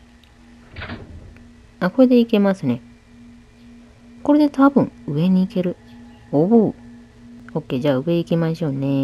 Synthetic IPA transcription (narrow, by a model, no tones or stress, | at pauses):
ako̞ɾe̞d̪e̞ike̞masɨne̞ | ko̞ɾe̞d̪e̞t̪abɯ̟̃ŋɯe̞ɲ̟iːke̞ɾɯ̟ | obɯ | ho̞kːe̞ːd͡ʑaːɯ̟βe̞ikʲimaɕo̞ːne̞